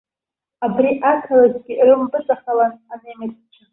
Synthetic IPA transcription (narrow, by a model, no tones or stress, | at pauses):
abriʔakʰalazɡʲirɨmbɨt͡sʼaχalananemirt͡st͡ʃʰa